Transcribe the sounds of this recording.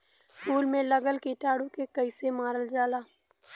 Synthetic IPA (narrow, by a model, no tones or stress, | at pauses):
skuːlmẽlɐɡəlkeʈaːɽũkekɐɪsemaːɾəld͡ʒaːlaː